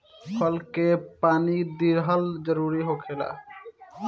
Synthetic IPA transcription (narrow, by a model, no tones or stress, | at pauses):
fʰɔlkepanid̪iɾɦald͡ʒɔɾuɾiɦokʰela̰